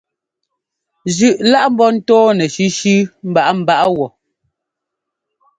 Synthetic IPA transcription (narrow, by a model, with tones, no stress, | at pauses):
zʉ˨ʔla˦ʔm̩˦bɔ˦n̩˦tɔː˦nɛ˨ʃi˦ʃʉ˦m̩˦ba˦ʔa˦m̩˦˨ba˦ʔa˦wɔ˨